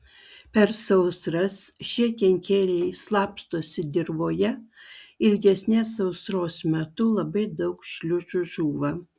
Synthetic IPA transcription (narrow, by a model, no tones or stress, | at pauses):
pʲɛɾsɐʊsɾɐsʃʲiɛkʲɛŋʲkʲeːlʲɛɪslˠɑːpst̪oːsʲɪd̪ʲɪɾʋoːjɛ | ɪlʲɡʲɛsʲnʲɛsɐʊsɾoːsmʲɛt̪ʊlˠɐbɐɪd̪ɐʊkʃʲlʲʊt͡ʃʊʒuːʋɐ